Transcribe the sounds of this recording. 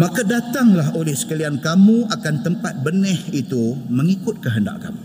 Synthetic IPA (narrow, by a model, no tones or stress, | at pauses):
mãkadat̪aŋlaɦolɛhsə̥kaliankamũakant̪əmpat̪̚bənɛhit̪uməŋikʊt̪̚kəɦənda̰ʔka̰mu